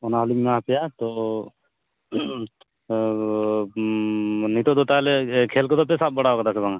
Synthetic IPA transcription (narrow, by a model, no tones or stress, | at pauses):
ɔnaɦɔliŋmaɦpɛjat̪ɔ | nit̪ɔd̪ɔt̪alɛkʰɛlkɔd̪ɔpɛsap̚bɔɽaɔkad̪asɛbaŋa